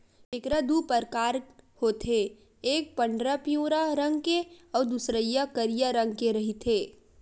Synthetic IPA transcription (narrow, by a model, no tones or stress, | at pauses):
ekɾad̪upəɾkaːɾhoːt̪ʰe | eːk̚pɐ̃ɳɖɾapijõːɾaɾɐ̃ŋɡkeɔːɾd̪usɾəijakəɾijaɾɐ̃ŋɡkeɾɐɦit̪ʰeː